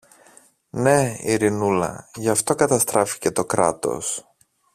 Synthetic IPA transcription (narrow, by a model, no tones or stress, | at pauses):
ne̞ḭɾinulɐ̰ʝɐft̪o̞kɐt̪ɐst̪ɾɐfi̥ce̞t̪o̞kɾɐ̰t̪o̞̰s